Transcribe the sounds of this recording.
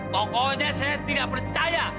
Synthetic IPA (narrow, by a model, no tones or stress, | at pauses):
pɔkɔɲasajat̪idaʔ̚pərt͡ʃaja